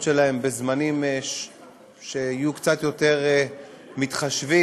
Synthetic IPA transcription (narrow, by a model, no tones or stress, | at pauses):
ʃelae̞mbe̞zmanime | ʃeajukt͡sat̪jo̞te̞ʁe | mitχaʃvi